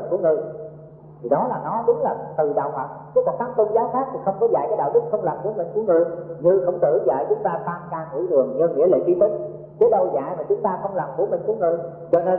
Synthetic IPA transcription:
nku˧˩əŋɨ˧j | t̪ʰi˨˩ɗɔ˨˦laː˨˩nɔ˨˦ɗʊ˨˦ŋ͡mlaː˨˩t̪ɨ˨˩ɗa̰ː˧˨whə˨˩t̚kːka˨˩t̪̚aː˨˦ŋt̪ʊ˧ŋ͡mzaː˨˦wxaː˦˥k̚t̪i˨˩xə˧wŋ͡mkɔ˨˦za̰ː˧˨jkaː˨˦jɗa̰ː˧˨wɗɨ˦˥k̚xə˧wŋ͡mlaː˨˩mku˧˩˦əmï˨˩ŋ̟ku˧˩əŋɨ˧˨əjɲɨ˧xə˧wŋ͡mt̪ɨ̰˧˩za̰˧˨jt͡ɕʊ˨˦ŋ͡mt̪aː˧t̪aː˧mkaː˧ŋḭ˧˩˥lɨ˨˩əŋɲi˧ŋḭ˧˥əlḛː˧˨ki˧˦t̪ʰi˦˥t̚ | kə˨˦jɗə˧wza̰ː˧˨jmaː˨˩t͡ɕʊ˨˦ŋ͡mt̪aː˧xə˧wŋ͡mlaː˨˩mku˧˩əmï˨˩ŋ̟ku˧˩˦ŋɨ˧j | t͡ɕɔ˧ne˧

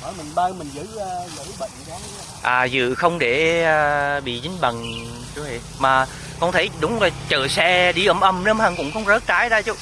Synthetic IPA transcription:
əː˧˩jmï˨˩ŋɓə˧wmï˨˩ŋzɨ̰ː˧˥˧zɨ̰˧˥ɓə̰˧˨ŋ˨za˨˦ | ʔaː˨˩zɨ̰˧˨xə˧wŋ͡mɗe˧˩aː˧˩ɓḭ˧˨t͡ɕï˨˦ŋ̟ɓə˨˩n | t͡ɕu˨˦ḭ˧˨ | maː˨˩ | kɔ˧˩nt̪ʰə˨˦jɗʊ˨˦ŋ͡mzo˨˩t͡ɕəː˨˩sɛ˧ɗi˧ʔəː˧˩mʔə˧˩mnə˧mhə˧˩ŋkʊ̰˧˥wŋ͡mxə˧wŋ͡mzəː˦˥t̚kaː˨˦jɗaː˧t͡ɕu˨˧˦

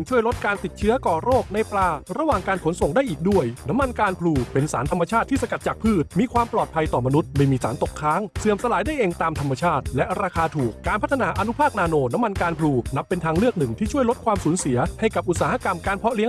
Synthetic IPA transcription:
ɯ˧ŋt͡ɕʰu˥˩əjlo˦˥t̪̚kaː˧nt̪i˨˩t̪̚t͡ɕʰɯ˦˥ɐkɔː˨˩ɾoː˥˩k̚na˧jplaː˧ɾa˧waː˨˩ŋkaː˧nkʰo˩˦nso˨˩ŋdaː˥˩jʔiː˨˩k̚du˥˩əjna˦˥mːa˧nkaː˧npʰluː˧pe˧nsa̰ː˩˦nt̪ʰa˧mːa˧t͡ɕʰaː˥˩t̪ʰːiː˥˩sa˧ka˨˩t̪̚t͡ɕaː˨˩kpʰɯː˥˩t̪̚miː˧kʰwaː˧mplɔː˨˩t̪̚pʰa˧jt̪ɔː˨˩ma˧nu˦˥t̪̚ma˥˩jmiː˧sa̰ː˩˦nt̪o˨˩kʰːaː˦˥ŋsɯ˨˩əmsa˧laː˩˦jdaː˥˩jʔe˧ŋt̪aː˧mt̪ʰa˧mːa˧t͡ɕʰaː˥˩t̪̚lɛ˦˥ʔɾaː˧kʰaː˧t̪ʰuː˨˩k̚kaː˧npʰa˦˥t̪ʰːa˧naː˩˥ʔa˧nu˦˥pʰaː˥˩k̚naː˧noː˧na˦˥mːa˧nkaː˧npʰluː˧na˦˥pːe˧nt̪ʰaː˧ŋɾɯ˥˩ək̚nɯ˨˩ŋt̪ʰiː˥˩t͡ɕʰu˥˩əjlo˦˥t̪̚kʰwaː˧msuː˩˦nsi˨˩˦ɐha˥˩jka˨˩p̚ʔu˨˩t̪̚saː˦ɦa˦˧˥ka˧mkaː˧npʰɔ˦˥li˦˥ə

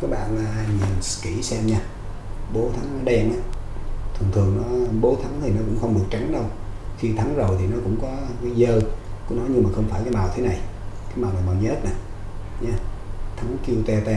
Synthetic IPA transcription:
kɔː˨˦˥ɓa̰ː˧˨nlaː˨˩ɲi˨˩nski˧˩sɛ˧mɲaː˧ | ɓo˨˦t̪ʰa˨˦ŋnɔ˨˦ɗɛ˧ŋʔaː˨˦ | t̪ʰɨ˨˩ŋt̪ʰɨ˨˩əŋnɔ˨˦ɓo˨˦t̪ʰa˨˦ŋt̪ʰi˨˩nɔ˨˦kʊ̰˧˥ŋ͡mxə˧wŋ͡mɗɨ˨˩ək̚t͡ɕa˨˦ŋɗə˧wxi˧t̪ʰa˨˦ŋzo˨˩jt̪ʰi˨˩nɔ˨˦kʊ̰˧˥ŋ͡mkɔ˨˦kaː˨˦zəː˧kʊ̰˧˥nɔ˨˦jɲɨ˧maː˨˩xə˧wŋ͡mfaː˧˩jkaː˨˦jmaː˨˩wt̪ʰe˨˦na˨˩jkaː˨˦jmaː˨˩wnaː˨˩jmaː˨˩wɲ˦˥t̚na˨˩ | ɲaː˧t̪ʰa˨˦ŋki˧wt̪ɛ˧t̪ɛ˧

